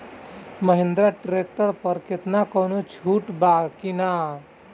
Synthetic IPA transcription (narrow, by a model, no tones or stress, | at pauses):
məɦɪ̃nd̪ɾaʈɾek̚ʈəɾpəɾket̪nakonut͡ʃʰuːʈbakina